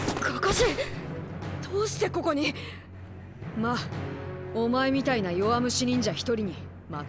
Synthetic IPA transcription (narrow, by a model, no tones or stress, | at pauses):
kakaɕi | d̪̥oːɕi̥t̪e̞ko̞ko̞ɲ̟i | ma | omae̞mʲit̪ainajo̞amɯ̟ɕiɾʲĩɲ̟d͡ʑaçi̥t̪o̞ɾʲiɲ̟i | ma